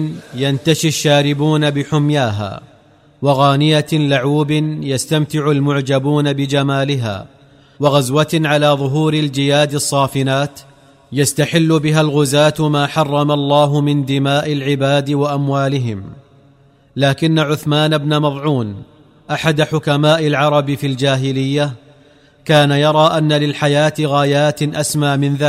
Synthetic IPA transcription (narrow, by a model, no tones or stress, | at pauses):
jant̪aʃiʃːaːɾɪbuːnabɪħʊmjaːɦa̰ː | waɣaːnɪjalaʕuːbɪnjast̪amt̪ɪʕʊlmʊʕd͡ʒabuːnabɪd͡ʒamaːlɪɦa̰ː | waɣazwaʕalaːðˤʊɦuːɾɪld͡ʒɪjaːd̪ɨsˤːɑːfɪnaːt̪ | jast̪aħɪlːʊbɪɦalɣʊzaːt̪maːħɑrˤːɑmalˤːɑːɦʊmɪnd̪ɪmaːʔɪlʕɪbaːd̪ɪwaʔamwaːlɪɦɪm | laːkɪnːaʕʊθmaːnabnamɑðˤʕuːn | ʔaħad̪aħʊkamaːʔɪlʕɑɾˤɑbɪfild͡ʒaːɦɪlɪjːa | kaːnajɑɾˤɑːʔanːalɪlħajaːt̪ɪɣaːjaːt̪ʔasmaːmɪnðaː